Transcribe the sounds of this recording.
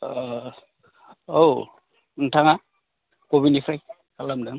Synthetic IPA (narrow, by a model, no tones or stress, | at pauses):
ow | ntʰaŋa | koβinipʰɾaj | kʰalamdɯŋ